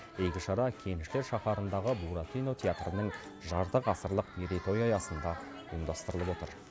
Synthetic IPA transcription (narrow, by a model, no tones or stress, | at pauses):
ejkʲɪʃɑɾɑkʲʰe̞nɪʃt̪e̞ɾʃɑχɑɾənd̪ɑʁəbuɾat̪ijno̞t̪ʲʰeat̪rənəŋ | ʒɑɾt̪əqɑsəɾlˠəq̪eɾit̪o̞jɑjɑsənd̪ɑ | əmd̪ɑst̪əɾəlˠəpwo̞t̪əɾ